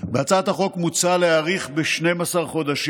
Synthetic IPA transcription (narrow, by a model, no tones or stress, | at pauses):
beat͡sat̪haχo̞kmut͡saleaʁiχbeʃne̞jmasaʁχo̞d̪aʃ